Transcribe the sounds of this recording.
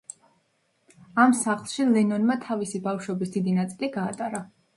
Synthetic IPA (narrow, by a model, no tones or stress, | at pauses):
amsaχlˠʃilɛnɔnmat̪ʰavisibafʃwɔbisd̪̥id̪inat̪sʼiliɡaːt̪ʼaɾa